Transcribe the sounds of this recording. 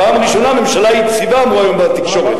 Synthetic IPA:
paːmaʁiʃo̞name̞mʃalait͡sivamuajo̞mbat̪ikʃo̞ʁet̪

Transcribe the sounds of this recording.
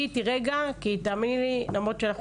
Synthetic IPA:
itiʁeɡakit̪aːminlilamʁot̪t͡ʃeanaχ

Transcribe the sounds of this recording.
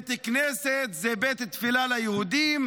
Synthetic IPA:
t̪ikneset̪zebet̪t̪filalajehud̪im

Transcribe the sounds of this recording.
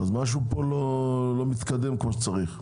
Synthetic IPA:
azmaʃ̬upo̞lo̞lo̞mit̪kad̪e̞mkmoʃet͡saʁiχ

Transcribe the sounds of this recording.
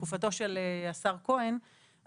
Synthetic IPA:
ufat̪o̞ʃeleasaʁko̞en

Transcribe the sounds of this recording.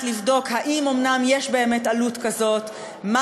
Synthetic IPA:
tlivdo̞khaʔimo̞mnamje̞ʃbe̞eme̞talutkazo̞t | ma

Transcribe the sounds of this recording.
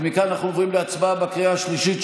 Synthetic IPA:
mikananaχnuovʁimleat͡sbabekʁiaʃliʃit

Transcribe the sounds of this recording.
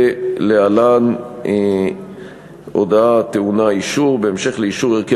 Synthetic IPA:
lealan | ʔod̪aat̪eunaiʃuʁbeemʃe̞χleiʃuʁeʁke

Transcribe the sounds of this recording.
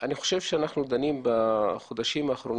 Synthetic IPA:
ʔanixoʃevʃeanaχnud̪animbaxod̪aʃimaːxɾon

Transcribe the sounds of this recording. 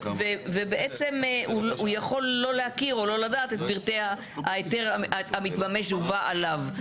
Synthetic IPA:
veve̞beʔet͡se̞muujaχo̞lːo̞lehakiʁo̞lo̞ladaːt̪et̪̚biʁt̪ea | aet̪eʁaamit̪mame̞ʃuvaʔalav

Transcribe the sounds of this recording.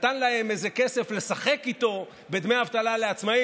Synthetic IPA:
t̪anlae̞mezeke̞se̞fle̞saχe̞kit̪o̞ | bed̪meaːvt̪alale̞at͡smai

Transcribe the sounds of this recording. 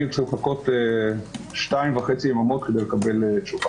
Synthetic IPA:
et͡simχakote | ʃtaimvaχet͡siemamot̪kedejlekabelet͡ʃuva

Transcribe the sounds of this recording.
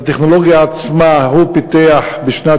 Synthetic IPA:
t̪eχnoloɡjaːt͡smahupit̪eaħbiʃna

